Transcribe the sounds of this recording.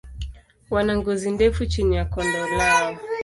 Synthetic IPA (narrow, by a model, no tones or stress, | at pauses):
wanaŋɡɔzindɛfut͡ʃinijakɔndɔlaɔ